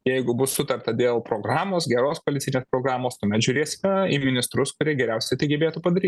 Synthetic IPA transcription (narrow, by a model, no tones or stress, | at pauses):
jɛɪɡʊbʊssʊt̪ɐrt̪ɐd̪ʲeːlˠpɾoːɡrɑːmoːsɡʲɛɾoːskoɐlʲɪtt͡ssʲɪnʲeːspɾoːɡɾɑːmoːst̪ɐmʲɛt̪ʒʲʊːɾʲeːsʲɪkɐimʲɪnʲɪst̪ɾʊskʊɾʲiɛɡʲɛɾʲɛʊsʲɛɪt̪ɐɪɡʲɛbʲeːt̪uːpɐd̪ɐɾʲiːttʲ